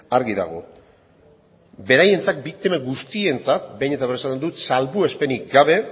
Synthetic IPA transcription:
aɾɣiða̰ɣo̞̰ | be̞ɾaje̞nt͡sak̚bik̚t̪imaɣust̪ie̞nt͡sat̪̚be̞jɲet̪aβ̞resat̪end̪ut̪salβue̞spe̞nik̚ɡaβe̞

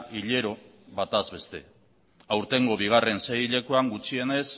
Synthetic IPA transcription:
ʔiʎe̞ɾo̞ | βat̪azβe̞st̪e̞ | awɾt̪e̞ŋɡo̞βiɣ̞are̞nsejʎe̞kuaŋɡut͡ʃie̞ne̞s

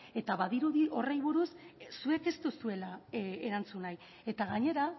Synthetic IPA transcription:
e̞t̪aβaðiɾuðiʔo̞rejβuɾussue̞ke̞st̪usue̞laeɾant͡sunaj | e̞t̪aɣaɲe̞ɾa

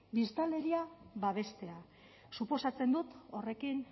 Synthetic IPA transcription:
bist̪ale̞ɾiaβaβ̞e̞st̪e̞a | supo̞sat͡se̞nd̪ut̪o̞re̞kin

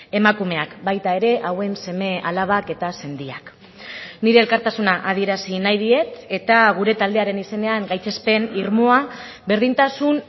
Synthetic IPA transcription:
e̞makume̞akbajt̪ae̞ɾe̞ʔawe̞nse̞me̞alaβ̞ake̞t̪ase̞nd̪iak | niɾe̞ːlkaɾt̪asunaʔaðie̞ɾasinajðie̞t̪e̞t̪aɣ̞uɾe̞t̪ald̪e̞aɾe̞nise̞ne̞aŋɡajt͡se̞spe̞niɾmo̞a | βe̞ɾðint̪asun

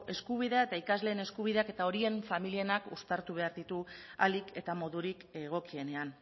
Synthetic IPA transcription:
e̞skuβiðe̞ae̞t̪aikazle̞ːne̞skuβ̞iðe̞ake̞t̪ao̞ɾie̞ɱfamilie̞nakust̪aɾt̪uβ̞e̞aɾðit̪ualike̞t̪amo̞ðuɾikeɣ̞o̞kie̞ne̞an

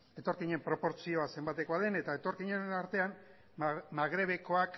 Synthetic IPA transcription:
e̞t̪o̞ɾkiɲe̞mpɾo̞po̞ɾt͡sio̞ase̞mbat̪e̞ko̞aðe̞ne̞t̪ae̞t̪o̞ɾkiɲenaɾt̪e̞an | maɣ̞ɾe̞β̞e̞ko̞ak

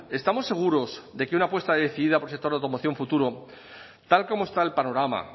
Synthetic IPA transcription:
e̞st̪amo̞sːe̞ɣ̞uɾo̞zd̪e̞keunapwe̞st̪aeðeθiðiðapolsek̚t̪oɾðawt̪omoθjo̞ɱfut̪uɾo | t̪alko̞moe̞st̪ae̞lpano̞ɾama̰

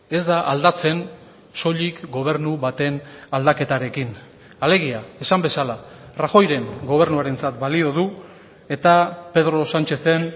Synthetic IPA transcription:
e̞zd̪aʔald̪at͡se̞n | so̞ʎikɡo̞β̞e̞ɾnuβat̪e̞nald̪ake̞t̪aɾe̞kin | ale̞ɣ̞iae̞sambe̞salaraxo̞jɾe̞ŋɡo̞β̞e̞ɾnuaɾe̞nt͡sat̪balio̞ð̞u | e̞t̪ape̞ðɾo̞sant͡ʃe̞θe̞n

